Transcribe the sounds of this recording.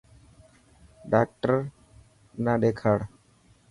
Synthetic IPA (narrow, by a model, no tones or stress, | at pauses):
ɖak̚ʈəɾ | naɖ̪ekʰəɽ